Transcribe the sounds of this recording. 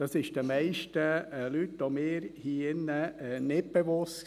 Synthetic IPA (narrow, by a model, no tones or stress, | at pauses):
d̥ɑsɪʃd̥əmɛɪʃtəlytʋomɪːɾhiːɪnːənɪt̚b̥eʋʊs